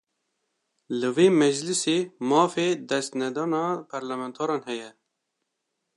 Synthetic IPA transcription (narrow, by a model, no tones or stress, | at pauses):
lɨveːmɛd͡ʒlɨseːmɑːfeːd̪ɛst̪nɛd̪ɑːnɑːpʰɛɾlɛmɛnt̪ʰɑːɾɑːnhɛjɛ